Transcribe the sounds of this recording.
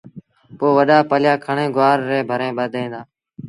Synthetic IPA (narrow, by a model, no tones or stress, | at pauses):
poːʋəɗaːpəljaːkʰəɳẽːɡʊaːɾːeːbʱəɾẽːɓəd̪ʱẽːd̪aː